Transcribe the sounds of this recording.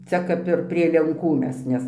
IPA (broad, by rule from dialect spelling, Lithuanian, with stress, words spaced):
ˈt͡sʲɛ kɐp ɪr pʲrʲiɛ lʲɛŋˈkuː ˈmʲɛs ˈnʲɛs